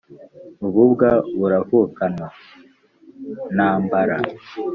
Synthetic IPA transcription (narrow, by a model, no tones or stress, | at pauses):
uβubɡaβuɾavukana | naːmbaɾa